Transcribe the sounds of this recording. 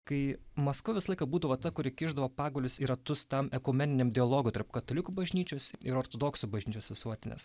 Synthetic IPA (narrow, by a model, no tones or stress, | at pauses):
kɐɪmɐskʊʋʲɪsɐlˠɐɪkɐbuːd̪ɐʋoːt̪ɐkʊɾʲɪkʲɪʒd̪ɐʋoːpɑːɡoːlʲʊsiːɾɐt̪ʊst̪ɐmɛkʊmʲɛnʲɪnʲemd̪ʲɪɐlˠoːɡʊt̪ɐɾpkɐt̪ɐlʲɪkubɐʒʲnʲiːt͡ʃʲoːsɪɾoːɾt̪oːd̪oːksʊbɐʒʲnʲiːt͡ʃʲoːsʋʲɪsuɔt̪ʲɪnʲḛs